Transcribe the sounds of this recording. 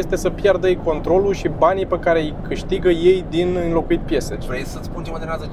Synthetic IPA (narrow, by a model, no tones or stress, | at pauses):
est̪e̞səpjard̪əjko̞nt̪ɾo̞luʃibanipekaɾe̞ijkɨʃt̪iɡəje̞jd̪inɨnlo̞kuit̪̚pje̞seɾejsəspunt͡ʃemad̪eɾazə